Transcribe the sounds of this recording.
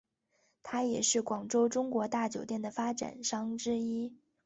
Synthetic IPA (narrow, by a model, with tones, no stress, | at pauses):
t̪ʰa˥jɛ˨˩ʂɻ̩˥˩kwɑ˨˩ŋʈ͡ʂo˥ʊʈ͡ʂʊ˥ŋkwɔ˧˥t̪a˥˩t͡ɕjo˨˩ʊt̪jɛ˥˩nd̪ə˩fa˥ʈ͡ʂa̰˨˩nʂɑ˥ŋʈ͡ʂɻ̩˥i˥